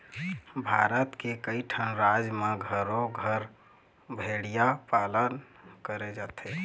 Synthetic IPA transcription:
bʱaɾət̪kekəjʈʰənɾad͡ʒmeɡʱəɾoɡʱəɾ | bʱeɽijapalənkəɾed͡ʒat̪ʰə

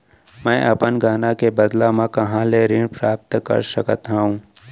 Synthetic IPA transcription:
mɛ̃ːʔɐpənɡaːnakebɐd̪lamãkɐɦãleɾɪɳpɾaːp̚t̪kə̰ɾsəkət̪ɦaũː

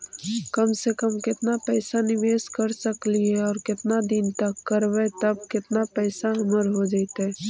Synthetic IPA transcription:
kəmsekəmkɪt̪napɛːsanɪʋeːskəɾsəkliɦɛɔːɾkɪt̪nad̪ɪnt̪əkːəɾʋɛt̪əb̚kɪt̪napɛːsaɦɐməɾɦod͡ʒaɪt̪ɦɛː

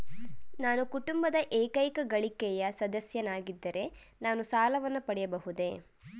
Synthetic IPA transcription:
naːnukuʈumbɐd̪ɐʔeːkɐjkɐɡɐɭikɛjɐsɐd̪ɐsjɐnaːɡid̪ːɐɾe̞ | naːnusaːlɐʋɐnːupɐɽɛjɐbɐɦud̪e̞

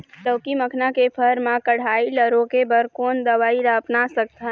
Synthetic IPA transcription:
təwkiməkʰnakepʰəɾmãkəɽ̤ailəɾokebəɾkond̪əʋaiɾapnasək̚t̪ʰən

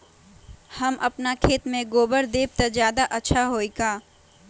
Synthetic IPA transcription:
hɐmʔɐpnakʰeːt̪mẽɡoːbəɾd̪eːb̚t̪azjaːd̪aʔɐtːʃʰaɦoːiɡaː

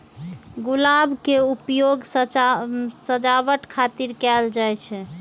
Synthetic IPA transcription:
ɡulabʱkeupjoɡs | səd͡ʒabəʈkʰat̪iɾkɛld͡ʒajt͡ʃʰɛ

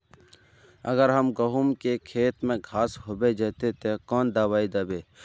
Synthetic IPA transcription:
ə̰ɡəɾɦəmɡəɦumkekʰeːt̪mẽɡʱaːsɦobed͡ʒɛːt̪et̪ekɔːnd̪aːwaːid̪ɐːbeː

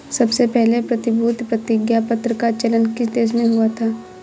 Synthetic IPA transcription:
sɐbsepɛɦlepɾɐt̪ɪbʱuːt̪pɾɐt̪ɪɡjapɐt̪ɾəkat͡ʃələnkid̪eːʃ̬mẽɦuat̪ʰaː

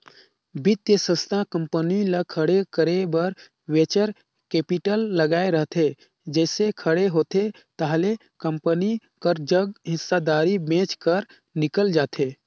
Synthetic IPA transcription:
bɪt̪jəsə̃st̪ʰãkə̃mpənilakʰəɽekʰəɾebəɾ | weːt͡ʃəɾ | keːpɪʈəlːəɡaːeɾəɦt̪e | d͡ʒɛːsekʰəɽeɦoːt̪e | t̪aɦle | kəmpəni | kəɾd͡ʒəɡɦɪsːad̪aːɾibẽːt͡ʃkəɾ | nɪkəld͡ʒaːt̪ʰeː

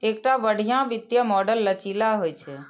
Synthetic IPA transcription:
ek̚ʈabəɽ̤ijãbɪd̪jəmɔɖəlːət͡ʃilaɦojt͡ʃʰe

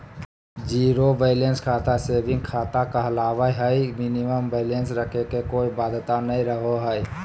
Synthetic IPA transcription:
d͡ʒiːɾobeɪlenskʰaːt̪aseːbɪ̃ŋɡkʰaːt̪akaəlaːʋaɦəiminiməmbeɪlensɾəkʰekekoːibaːd̪ʱt̪anəɦĩɾəɦoɦəi

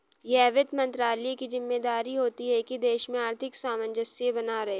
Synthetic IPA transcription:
jeɛːʋɪd̪mɐ̃nt̪ɾaːlekizɪmːed̪aːɾiɦoːt̪iɦɛkid̪eːʃmẽaːɾt̪ʰɪksaːmənd͡ʒəsiebɐnaɾɐɦeː

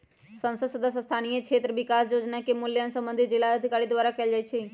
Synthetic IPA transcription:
sə̃nsəsəd̪əsst̪ʰaːnijekʰeːt̪ɾəʋɪkaːsjoːd͡ʒnakemʊljãnsə̃mbə̃nd̪ʱizɪlːaəd̪ʱɪkaːɾid̪ʋaːɾakɛld͡ʒait͡ʃʰe

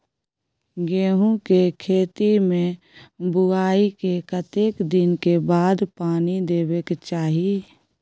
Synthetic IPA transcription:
ɡeːɦũkekʰeːt̪imẽ | bʊaːikekət̪eːkd̪ɪnkebaːd̪paːnid̪eːbekt͡ʃaːɦi

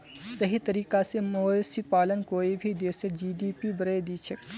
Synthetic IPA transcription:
sɐɦit̪ɐɾiːkasemoːsipaːlənkoːibʱid̪eːsed͡ʒiːɖiːpibəɾed̪iːt͡ʃʰək

